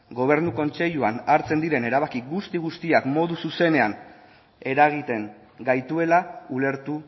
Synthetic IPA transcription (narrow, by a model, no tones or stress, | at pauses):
ɡo̞β̞e̞ɾnuko̞nt͡se̞ʎuanaɾt͡se̞nd̪iɾe̞ne̞ɾaβ̞akiɡust̪iɣust̪iakmo̞ðususe̞ne̞an | e̞ɾaɣ̞it̪e̞ŋ | ɡajt̪ue̞laule̞ɾt̪u